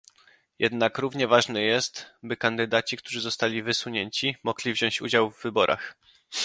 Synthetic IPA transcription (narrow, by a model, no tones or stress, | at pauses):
jɛd̪nakɾuvɲɛvaʐnɛjɛst̪bɘkand̪ɘd̪at͡ɕikt̪uʐɘzɔst̪alʲivɘswuɲeɲt͡ɕimɔɡlʲivʑɔw̃ɕt͡ɕṵd͡ʑawvːɘbɔɾʔa̰x